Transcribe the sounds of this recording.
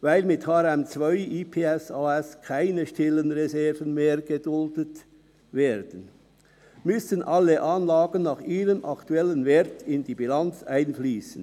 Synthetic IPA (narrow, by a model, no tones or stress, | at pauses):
vaɪlmɪthaːɾɛmt͡sv̥aɪʔiːpʰeːɛsaːɛskʰaɪnəʃtɪlənʁezɛɐvənmeːʁɡədʊldət | vɛːɐd̥ən | mʏsənʔɑlːəʔaːnlaːɡənːaːχʔiːʁəmʔɑktuɛlənvɛːʁtɪndiːbilant͡saɪnfliːsən̩